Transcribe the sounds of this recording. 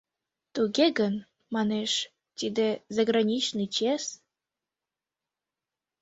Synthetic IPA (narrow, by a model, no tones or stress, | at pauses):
t̪uɣeɡən | mɑneʃ | t̪id̪ezɑɣɾɑnʲit͡ɕnit͡ɕes